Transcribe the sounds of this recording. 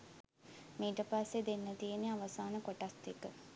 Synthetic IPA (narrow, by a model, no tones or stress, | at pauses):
miːʈəpasːed̪enːət̪ijeniaʋɐsaːnəkoʈasekə